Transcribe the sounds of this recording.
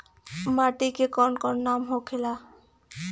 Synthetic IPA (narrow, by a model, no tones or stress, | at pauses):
maʈikekɔnkɔɾnamɦokʰela